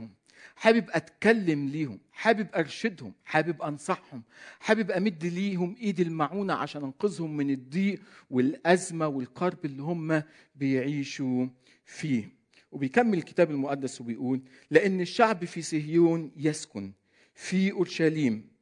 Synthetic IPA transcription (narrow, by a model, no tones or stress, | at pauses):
ʊm | ħaːbɪbʔæt̪kælːamliːhʊmħaːbɪbʔɑɾˤʃɪd̪hʊmħaːbɪbʔɑnsˤɑħhʊmħaːbɪbʔamɪd̪ːliːɦʊmʔiːd̪ilmaʕuːnaʕa̰ʃæːnʔɪnqʊzˤhʊmːɪnɪd̪ˤːiːʔwɪlʔæzmawɪlqɑɾˤbɪlːiɦʊmːa | bɪjʕiːʃu | fiː | wɪbɪjkamːɪlɪlkɪ̥t̪æːbɪlmʊʔad̪ːaswɪbɪjʔuːlː | ɪʔɪnːɪʃːaʕbifisɪhjuːnjɪskʊn | fiʔʊɾʃæliːm